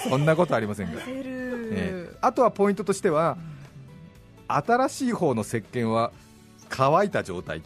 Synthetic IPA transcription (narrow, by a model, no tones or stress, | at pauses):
sõ̞nːako̞t̪o̞aɾʲimasẽ̞ŋɡa̰nḛat̪o̞β̞apo̞ĩnt̪o̞t̪o̞ɕi̥t̪e̞βa | at̪aɾaɕiːho̞ːno̞se̞kːẽ̞ɰ̃βa | kʰaβait̪ad͡ʑo̞̰ːt̪a̰i